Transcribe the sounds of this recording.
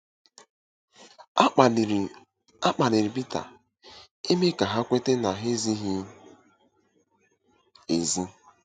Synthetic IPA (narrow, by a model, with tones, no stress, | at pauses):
a˦k͡pa˨le˨ɾi˨bi˦ta̰˨ | e˦me˦ka˨ɦa˦kʷe˦te˦na˨ɦe˦zi˦ɦi˦ | e˨zi˦